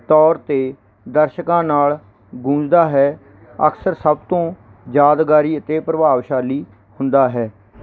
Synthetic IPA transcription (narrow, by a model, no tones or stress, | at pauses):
t̪ɔːɾt̪eː | d̪əɾʃəkãːnaːl | ɡʊ̃ːd͡ʒd̪aːɦɛː | ə̰ksəɾsəbt̪õː | d͡ʒaːd̪ɡaːɾiːət̪eːpɾəbaːʋʃaːliː | hʊnd̪aːɦɛː